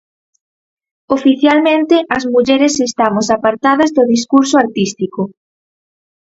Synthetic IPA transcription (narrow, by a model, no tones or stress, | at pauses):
ofiθjalmẽnt̪ɪʔɐzmuʎɛɾesest̪amosapaɾt̪aðɐzðʊðis̬kuɾsoaɾt̪ist̪ikʊ